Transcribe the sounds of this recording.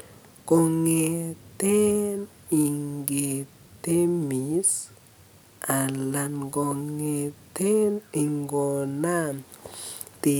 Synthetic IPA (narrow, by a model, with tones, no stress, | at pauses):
ko˨ŋe˨t̪e˦n | i˨ŋɡe˨ | t̪e˦mi˨˦s | a˨la˨nɡo˨ŋe˨t̪e˦ni˨ŋɡo˨na˦n | t̪i˨